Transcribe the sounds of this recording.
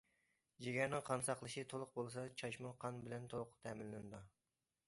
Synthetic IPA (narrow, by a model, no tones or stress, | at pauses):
d͡ʒeɡʲɛɾnɪŋqʰɑnsɑqlˠɨʃit̪ʰolˠʊq̚bolˠs̬ɑt͡ʃʰɑʃmuqʰɑnbɪlɛnt̪ʰolˠʊqt̪ʰɛːmɪnlɪnɨd̪u